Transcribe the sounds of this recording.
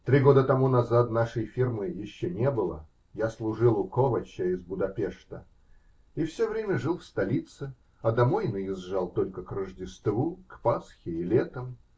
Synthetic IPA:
t̪ɾʲiɡo̞d̪ət̪ɐmunɐzat̪naʂəjfʲirmɨjɪɕːonʲebɨlˠə | jaslˠʊʐɨlˠʊkovət͡ɕːəɪzbʊd̪ɐpʲeʂt̪ə | ifsʲovɾʲemʲəʐɨlˠfst̪ɐlʲit̪sɨ | ɐd̪ɐmojnəɪzʐalˠt̪o̞lʲkəkrəʐdʲɪst̪vukpasxʲɪɪlʲet̪əm

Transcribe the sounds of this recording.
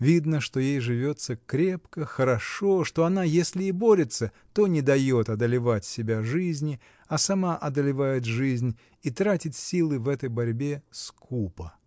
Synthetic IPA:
vʲid̪nəʂt̪o̞jejʐɨvʲo̞t̪səkɾʲe̞pkəxəɾɐʂo̞ʂt̪o̞ɐnajesʲlʲɪɪbo̞ɾʲɪt̪sə | t̪o̞nʲɪd̪ɐjo̞t̪ɐd̪əlʲɪvatʲsʲɪbʲaʐɨzʲnʲɪ | ɐsɐmaʔɐd̪əlʲɪvajɪt̪̬ʐɨzʲnʲ | it̪ɾatʲɪt̪ʲsʲilˠɨvɛt̪əjbɐɾʲbʲe̞skʰupə

